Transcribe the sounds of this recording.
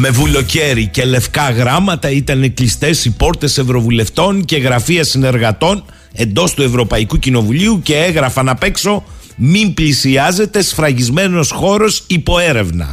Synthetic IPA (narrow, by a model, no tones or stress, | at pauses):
me̞vulo̞ce̞ɾice̞le̞fkɐɣɾɐmɐt̪ɐit̪ɐneklist̪e̞sipo̞ɾt̪e̞se̞vɾo̞vule̞ft̪o̞ŋce̞ɣɾɐfiɐsine̞ɾɣɐt̪o̞n | e̞nd̪o̞st̪ue̞vɾo̞pɐikucino̞vuliuce̞eɣɾɐfɐnɐpe̞kso̞ | mimblisiɐze̞t̪e̞sfɾɐʝizme̞no̞sxo̞ɾo̞sipo̞e̞ɾe̞vnɐ̰